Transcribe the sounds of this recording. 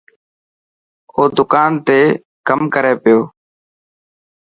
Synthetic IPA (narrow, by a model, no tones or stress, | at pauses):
oːd̪ʊkaːnt̪eː | kəmkəɾeːpɪjoː